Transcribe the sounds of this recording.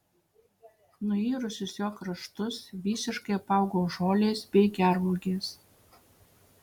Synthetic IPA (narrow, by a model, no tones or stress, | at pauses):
nʊiːɾʊsʲʊsjokrɐʃt̪ʊsβʲisʲɪʃkejpɑwɡoʒolʲesbʲeɡʲærluɡʲes